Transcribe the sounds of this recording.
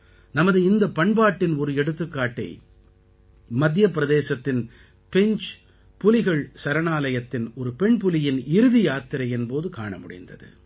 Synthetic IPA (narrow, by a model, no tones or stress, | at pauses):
nɐmɐðɯɪnd̪ɐpɐɳbaːʈːɪnɔɾɯɛɽɯt̪ːɯkːaːʈːɐɪ | mɐd̪ʱjɐpːɪɾɐðeːsɐt̪ːɪn | pɛɲt͡ʃ | pʊlɪɣɐɭsɐɾɐnaːlɐjɐt̪ːɪnɔɾɯpɛɳpʊlɪjɪnɪɾɯðɪjaːt̪ːɪɾɐɪɛnpoːðɯka̰ːɳɐ̰mʊ̰ɽɪ̰nd̪ɐ̰ðɯ̰